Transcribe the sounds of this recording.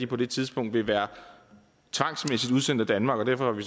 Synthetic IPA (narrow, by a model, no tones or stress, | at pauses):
d̥ipʰɒ̽d̥e̝t͡sʰiðˠsb̥ɔ̽ŋ̰d̥ʋe̝ʋæːɐ | t͡sʰʋɑ̈ŋ̰smesid̥uðˠsen̰d̥æd̥ænmɑ̈ːɡ̥ɒ̽d̥æɐfɒ̽hɑ̈ʋis